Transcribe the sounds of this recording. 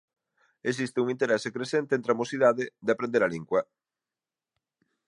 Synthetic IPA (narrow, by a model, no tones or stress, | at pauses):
es̬ist̪ɪuŋint̪eɾɛsekɾesent̪ent̪ɾamosiðaðɪd̪eapɾẽnd̪eɾaliŋɡwɐ